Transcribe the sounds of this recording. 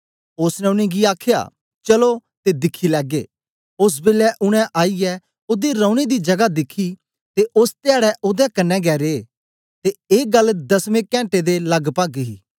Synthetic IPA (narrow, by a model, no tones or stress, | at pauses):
ʊsnɛʊñẽɡiaːkʰja̰ː | t͡ʃɐlot̪ed̪ɪkʰːilɛːɡeː | ʊs̬bɪlɛʔʊɽ̃ɛ̃ʔaːiɛ | ʊd̪iɾə̃ːʊɽ̃ed̪id͡ʒɐɡad̪ɪkʰːi | t̪eʔʊst̪ɪjaːɽɛʔʊd̪ɛkɐnːɛ̃ɡɛːɾeː | t̪eeːɡɐlːd̪ɐsmẽkɛ̃ːɳʈed̪elɐɡpaːɡɦḭː